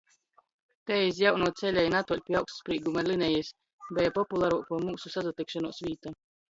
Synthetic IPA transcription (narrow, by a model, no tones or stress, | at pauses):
t̪ɛis̬jawnuɔt̪sɛlʲɛjnat̪uɔlʲpʲiawkst̪spɾiːɡumalʲinɛjɛs | bɛjapɔpulˠaɾuɔkumuːsusazat̪ikʃanuɔsvʲiːt̪a